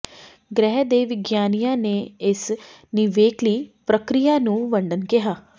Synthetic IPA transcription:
ɡɾɛːɦd̪eːʋɪɡjaːnijãːneːɪs | nɪʋeːkliːpɾəkɾijaːnũːʋəɳɖənkɪɦaː

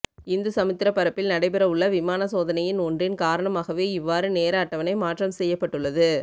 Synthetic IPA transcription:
ɪnd̪ɯsɐmɯt̪ːɪɾɐpːɐɾɐpːɪlnɐɽɐɪpɛɾɐʊɭːɐʋɪmaːnɐsoːðɐnɐjɪnɔndrɪnkaːɾɐɳɐmaːɣɐʋeːɪʋːaːɾɯneːɾaːʈːɐʋɐnɐɪmaːʈrɐmsɛjːɐpːɐʈːɯɭːɐðɯ

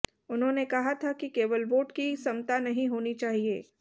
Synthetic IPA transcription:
ʊnɦõːnekɐɦat̪ʰakikeːʋəlboːʈkisɐmt̪anɐɦĩɦoːnit͡ʃaːɦieː

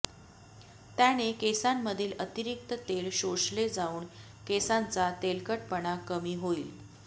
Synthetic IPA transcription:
t̪jañekesamːəd̪ʱiːlət̪iɾik̚t̪ət̪elɕoʂled͡zauːɳ | kesant͡sat̪elkəʈpəɽakəmiːɦoiːl

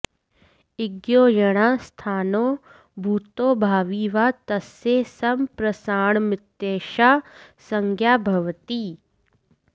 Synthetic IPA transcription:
ɪɡjoːjɐɽ̃aːst̪ʰaːnoː | bʱuːt̪oːbʱaːʋiːʋat̪ɐsesɐmpɾɐsaːɳ̃mɪt̪ːeːʃaːsɐŋɡʱjaːbʱɐʋt̪iː

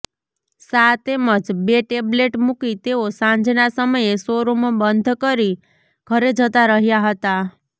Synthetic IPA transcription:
sat̪eməd͡ʒbeʈebleʈmukit̪eosãnd͡ʒnasəməjesoɾomãbənd̪ʱkəɾi | ɡ̥ʱəɾed͡ʒət̪aɾəɦjaɦət̪a

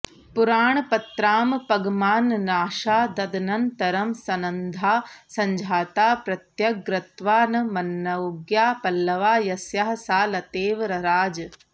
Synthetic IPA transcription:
puɾaːɳɐpɐt̪ɾaːmpɐɡmaːnːaːʃaːd̪ɐd̪ɐnɐnt̪ɐɾɐmsɐnɐnd̪ʱaːsɐɲd͡ʒʱaːt̪aːpɾɐt̪jɐɡɾɐt̪ʋaːnɐmɐnːɐɡjaːpɐlːɐʋaːjɐsjɐɦɐsaːlɐt̪eːʋɾɐɾaːd͡ʒɐ

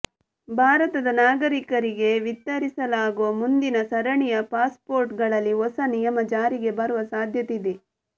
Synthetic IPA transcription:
bʱaːɾɐt̪ɐd̪ɐnaːɡɐɾikɐɾiɡe̞ʋit̪ːɐɾisɐlaːɡuʋɐmund̪inɐsɐɾɐɳijɐpaːspoːɾʈɡɐɭɐlːiɦɔsɐnijɐmɐd͡ʒaːɾiɡe̞bɐɾuʋɐsaːd̪ʱjɐt̪id̪e

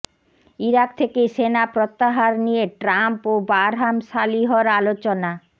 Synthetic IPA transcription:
iɾak̚t̪ʰekesenapɾot̪ːaɦaɾnieʈɾampobaɾɦamʃaliɦoɾalot͡ɕona

